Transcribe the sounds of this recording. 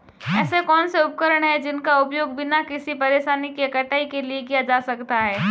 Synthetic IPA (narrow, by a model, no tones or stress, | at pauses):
ɛːsekɔːnseʊp̚kəɾəɽ̃ɦɛd͡ʒɪnkaʊpjoːɡbʱinakɪsipɐɾeːʃaːnikiɐkɐʈʰːaːikeliek̬ijad͡ʒaːsɐkt̪aɦɛː